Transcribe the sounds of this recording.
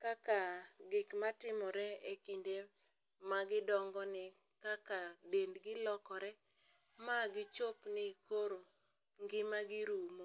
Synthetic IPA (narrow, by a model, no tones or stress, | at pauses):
kakaɡɪkmatɪmɔɾɛekinde | maɡɪdɔŋɡɔnɪ | kakadendɡɪlɔkɔɾɛ | maɡɪt͡ʃopnɪkoɾo | ŋɡɪmaɡɪɾumo